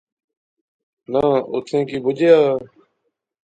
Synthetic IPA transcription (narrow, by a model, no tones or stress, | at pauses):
naːʊ̰t̪ʰẽːkiːbʊd͡ʒʱjaː